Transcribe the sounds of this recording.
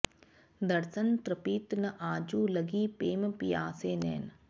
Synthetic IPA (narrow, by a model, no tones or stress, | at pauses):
d̪ɐɾsənt̪ɾɐpiːt̪nɐʔaːd͡ʒuːlɐɡiːpeːmpijaːseːnḛːn